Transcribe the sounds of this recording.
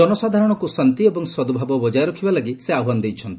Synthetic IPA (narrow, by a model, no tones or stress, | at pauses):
ɔnɔsad̪ʱaɾɔɽ̃ɔkusant̪iebɔŋsɔd̪ubʱabɔbɔd͡ʒajɾɔkʰibalaɡiseauand̪ejt͡ʃʰɔnt̪ii̥